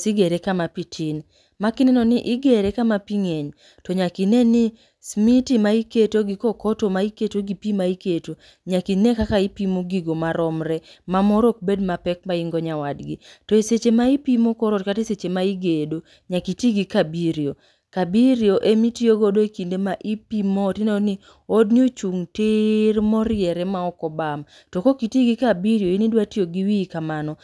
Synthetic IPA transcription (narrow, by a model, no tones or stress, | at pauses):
siɡeɾekamapitʰin | makɪnɛnɔnɪʔɪɡeɾekamapiŋeɲ | tɔɲakinenɪ | smitimaiketoɡɪkɔkɔtomaiketoɡipimaiketo | ɲakinekakaipimoɡiɡomaɾɔmɾɛmamɔɾok̚bedmapɛk̚maiŋɡɔɲawadɡitɔeset͡ʃemaipimokɔɾotkateset͡ʃemaiɡedo | ɲakitiɡikabiɾio | kabiɾjoʔemitioɡodoekindemaʔipimotɪnni | odniot͡ʃuŋtɪɾmɔɾɪɛɾɛmaɔkɔbam | tokokitiɡikabiɾjoinidwatioɡiwikamanɔ